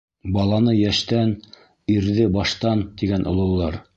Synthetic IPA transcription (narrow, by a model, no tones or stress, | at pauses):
bɑlˠɑnɤjæʃt̪æn | iɾðɘbɑʃt̪ɑnt̪iɡænʔŏ̰lˠɤ̆wlˠːɑɾ